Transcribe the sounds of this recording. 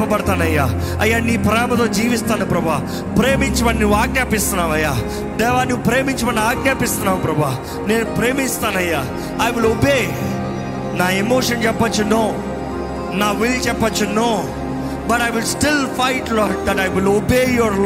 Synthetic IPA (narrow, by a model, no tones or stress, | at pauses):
pːɐpɐɽɐt̪aːnɐjːaː | ɐjːaːniːpɾɐjaːmɐt̪o̞ːd͡ʒiːʋist̪aːnupɾɐbuaː | pɾeːmiɲt͡ʃimɐnuʋaːɡnjaːpist̪unːaːmɐjːaː | d̪ɛːʋaːniʋupɾeːmiɲt͡ʃimɐnːiaːɡ̚njaːpist̪unːaːmpɾɐbʱua | neːnupɾeːmist̪aːnɐjːaː | ajʋilobeː | naːemoːʂɐnt͡ʃɛpːɐt͡ʃːunoː | naːʋilt͡ʃɛpːɐt͡ʃːunoː | bɐʈajʋilsʈilpajʈlɔːʈ̚d̪ɐʈajʋilobeːjɔɾ